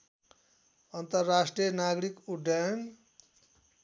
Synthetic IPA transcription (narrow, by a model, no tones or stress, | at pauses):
ʌnt̪ʌrːasʈrijʌnaɡɾikuɖajn